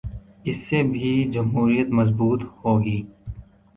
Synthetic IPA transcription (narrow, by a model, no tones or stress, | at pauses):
ɪsːebʱid͡ʒɐmɦuːɾijət̪mɐzbuːt̪hoːɡiː